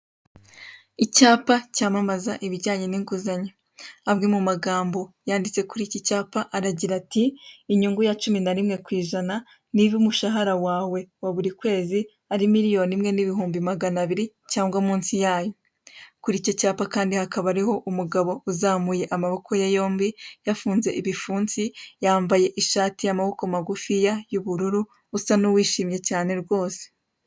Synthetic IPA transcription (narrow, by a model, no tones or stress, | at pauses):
icaːpacaːmamazaʔiβiɟaːɲe̞niŋkuzaɲe | abɡimumaɡaːmbo̞jaːndit͡se̞kuɾicicaːpaʔaɾaɟiɾatiːɲuŋɡujat͡ʃuminaɾimŋe̞kwiːʒana | niβumuʃaɦaɾawaːwe̞waβuɾikwe̞ːzi | aɾimiɾijo̞nimŋe̞niβihuːmbimaɡanaβiɾi | caːŋɡwamuːnsijaːjo̞ | kuɾico̞caːpakaːndihakaβaɾiho̞ʔumuɡaβo̞uzaːmuje̞ʔamaβo̞kʰojajo̞ːmbijafuːnze̞ʔiβifuːnsijaːmbaje̞ʔiʃaːtijamaβo̞komaɡufijajuβuɾuɾuː | sanuwiːʃiːmɲe̞caːne̞ɾɡwo̞ːse̥